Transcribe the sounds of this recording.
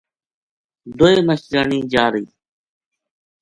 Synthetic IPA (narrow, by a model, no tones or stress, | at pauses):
d̪oeːməʃɾəɳĩːd͡ʒaːɾiː